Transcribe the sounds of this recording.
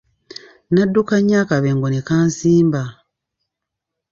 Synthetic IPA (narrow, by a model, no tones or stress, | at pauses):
nadːukaɲːaːkaβeŋɡonekaːnsiːmba